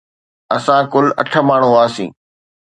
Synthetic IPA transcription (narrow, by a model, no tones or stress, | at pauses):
ɐsãkʊlɐ̰ʈʰə̆maːɳ̤uaːsḭ̃ː